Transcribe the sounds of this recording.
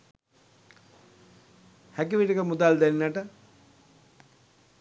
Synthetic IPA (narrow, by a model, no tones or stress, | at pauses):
hækiʋiʈəkəmud̪ald̪ɛninəʈə